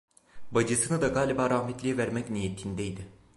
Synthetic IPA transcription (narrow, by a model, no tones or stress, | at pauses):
bad͡ʒɯsɯnɯd̪aɡaːlʲibaːɾaɦmet̪lʲijɛvæɾmɛcnijet̪ʰind̪ɛjd̪ɪ